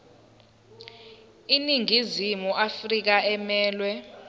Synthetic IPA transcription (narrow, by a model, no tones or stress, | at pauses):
iniŋizimuafrik̬aɛmɛːlwɛ